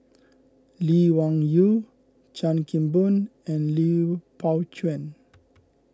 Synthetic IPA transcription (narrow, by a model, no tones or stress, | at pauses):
liwãŋju | t͡ʃãnkĩmbunɛ̃nlipʰawt͡ʃʰuɛ̃n